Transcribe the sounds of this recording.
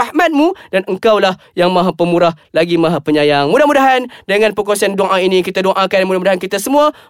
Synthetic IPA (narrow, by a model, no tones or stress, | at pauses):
ahmat̪̚mũdanəŋkawlah | jaŋmãɦapəmuɾahlaɡimãɦapəɲãjaŋmudahmudaɦandəŋãnpəkuasanduaŋʔainikit̪aduaʔakanmudahmudaɦankit̪asəmũa